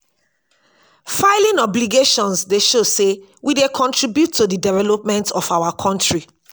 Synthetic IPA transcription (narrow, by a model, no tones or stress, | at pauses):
faɪlĩnɔbliɡeʃɔ̃nsdeʃosewidekʰɔ̃ntɹibjutːodidɛvɛlɔp̚mɛ̃ntɔfaʊwakʰɔ̃ntɹi